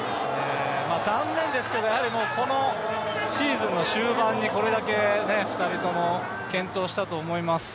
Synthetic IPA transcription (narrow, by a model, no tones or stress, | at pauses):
e | maːzãnːẽ̞nd̪e̞sɨ̥ke̞d̪o̞jahaɾʲimo̞ːko̞no̞ | ɕiːzɨ̃nːo̞ɕɨːbãɲ̟ːiko̞ɾe̞d̪ake̞ne̞ɸɯ̟̥t̪aɾʲit̪o̞mo̞ | kẽ̞nt̪o̞ːɕi̥t̪at̪o̞ːmo̞imasɨ̥